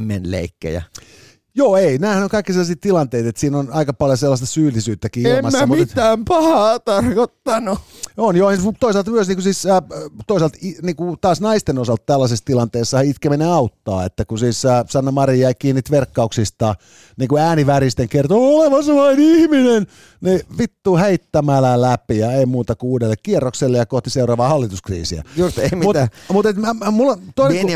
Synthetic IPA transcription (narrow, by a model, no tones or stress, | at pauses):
menlḛikːḛjæ̰ | joːeinæːsɑnyŋkɑikːiselːɑsiːt̪t̪ilɑnt̪eit̪et̪siːnonɑikɑpɑljoselːɑst̪ɑ̥syːlːisyːt̪ːækiːemɑæːmutiet̪æːmpɑhɑːt̪ɑrkot̪ːɑnuonjoːesut̪oisɑlt̪myøsniːkusiːsːt̪oisɑlt̪iniːŋkut̪ɑːsnɑist̪enosɑlt̪t̪ælːɑsest̪ilɑnt̪eːsːɑit̪kemeneɑut̪ːɑ̰ːet̪ːækusiːsːsɑnːɑmɑriæikiːnːit̪ʋerkːɑuksist̪ɑ | niːŋkuæːniʋæɾist̪eŋkert̪ooleʋɑslɑinihminen | neʋit̪ːuːhæit̪ːæmælælæpijɑeimuːt̪ɑkuuːdelːekkierːokselːejɑkoht̪iseurɑːʋɑːhɑlːit̪uskrḭːsiæ̰jsemmut̪mut̪et̪mæmulːt̪oine